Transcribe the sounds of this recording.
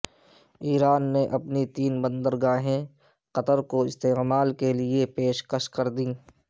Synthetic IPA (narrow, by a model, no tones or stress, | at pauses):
iːɾaːnːeʔɐpnit̪iːnbə̃nd̪əɾɡaːɦẽ | qɐt̪əɾkoɪst̪eːqmaːlkelɪepeːʃkəʃkɐɾd̪ĩː